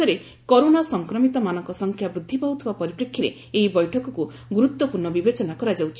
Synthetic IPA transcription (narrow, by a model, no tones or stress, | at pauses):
ɔɾe | kɔɾonasɔŋkɾɔmit̪ɔmanɔŋkɔsɔŋkʰjabɾud̪ʱːipaut̪ʰibapɔɾipɾekʰːiɾe | eibɔjʈʰɔkɔku | ɡuɾut̪wɔpuɾɳɔbibet͡ʃɔnakɔɾad͡ʒawt͡ʃʰi